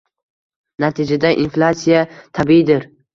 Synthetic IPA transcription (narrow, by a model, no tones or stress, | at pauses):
nat̪ʰɪd͡ʒad̪aʔinflat̪sijat̪ʰabiid̪ɪɾ